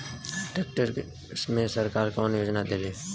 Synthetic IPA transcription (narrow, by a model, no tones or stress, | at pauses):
ʈeːk̚ʈəɾ | smẽsəɾkaːɾkoːnjoːd͡ʒnad̪eliː